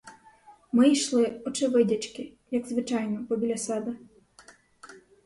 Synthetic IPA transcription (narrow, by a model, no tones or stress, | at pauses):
mɪijʃlˠɪɔt͡ʃɪʋɪdʲɐt͡ʃkɪ | jɐɡzʋɪt͡ʃɑjnɔpɔbʲilʲɐsɛd̪ɐ